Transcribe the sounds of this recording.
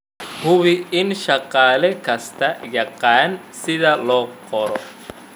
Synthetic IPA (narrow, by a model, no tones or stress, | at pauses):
hʊβɪɪnʃɑqaːlɛkʰɐst̪ʰɐjɑqaːn | sɪðɐlɔːqʰɔɾɔ